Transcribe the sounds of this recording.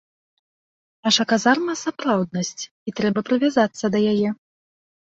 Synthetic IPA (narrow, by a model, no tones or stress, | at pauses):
aʂɐkazarnɐsapɾawd̪nɐsʲt͡sʲ | it̪ɾɛbɐpɾɨvʲazat̪sːɐd̪ɐjajɛ